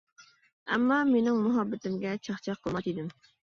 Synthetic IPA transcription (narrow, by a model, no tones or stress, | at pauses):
ɛ̰mːɑmenɪŋmuɦɑbːɪt̪ɪmɡʲɛt͡ʃʰɑχt͡ʃʰɑqʰːəlˠmɑt̪id̪ɪm